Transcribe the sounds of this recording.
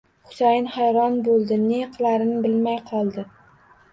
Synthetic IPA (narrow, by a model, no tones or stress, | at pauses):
χʊ̥sajɪnhajɾɒnbolˠd̪ɪneqʰlaɾɪnɪbɪlmajqʰɒlˠd̪ɪ